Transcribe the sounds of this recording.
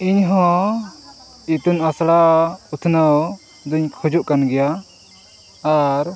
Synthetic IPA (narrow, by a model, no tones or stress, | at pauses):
iɲɦɔ̃ | it̪unasɽaut̪ʰnaw | d̪ɔiɲkʰud͡ʒuʔkanɡɛja | ɾ